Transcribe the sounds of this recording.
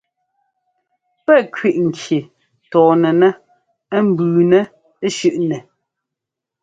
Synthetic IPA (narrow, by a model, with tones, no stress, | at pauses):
pɛ˦˨kɥi˨ʔŋ̩˨kʰje˨ | tɔː˨nɛ˨nɛ˦ | m̩˦˨bʉː˨nɛ˦ | ʃʉ˦ʔnɛ˨